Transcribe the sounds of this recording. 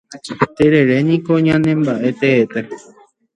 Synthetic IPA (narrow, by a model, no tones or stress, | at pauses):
t̪eɾeɾenĩkoɲãnẽmbaʔe̞t̪eːt̪e